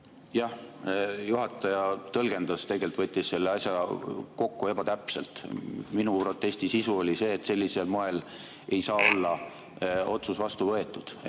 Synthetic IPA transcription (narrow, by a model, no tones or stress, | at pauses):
jɑh | juɦɑt̪ːˑɑjɑt̪ɤlɡ̥e̞nd̪̥ɑst̪e̞ɡelt̪vɤt̪ʲːˑisse̞lːeɑsʲjɑko̞kːue̞bɑt̪æpse̞lt̪minupro̞t̪ːˑe̞sʲt̪isisuo̞lʲise̞ːt̪ːse̞lʲːise̞lmoe̞l | ʔe̞jsɑːo̞lːɑ | o̞t̪susvɑst̪uvɤe̞t̪ˑːud̪̥